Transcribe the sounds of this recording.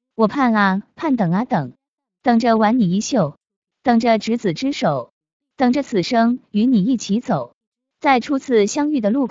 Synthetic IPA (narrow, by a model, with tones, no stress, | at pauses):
wɔ˨˩pʰa˥˩na˧pʰa˥˩nt̪ɤ˨˩ŋɐ˦t̪ɤ˨˩˦ŋ | t̪ɤ˨˩ŋʈ͡ʂə˧wa˧˥nni˨˩i˥ɕjo˥˩ʊ | t̪ɤ˨˩ŋʈ͡ʂə˧ʈ͡ʂɻ̩˧˥t͡sɹ̩˨˩ʈ͡ʂɻ̩˥ʂo˨˩˦ʊ | t̪ɤ˨˩ŋʈ͡ʂə˧˦t͡sʰɹ̩˨˩ʂɤ˥ŋy˧˥ni˨˩i˥˩t͡ɕʰi˧˥t͡so˨˩˦ʊ | ta˥˩ɪʈ͡ʂʰu˥t͡sʰɹ̩˥˩ɕjɑ˥ŋy˥˩d̪ə˩lu˥˩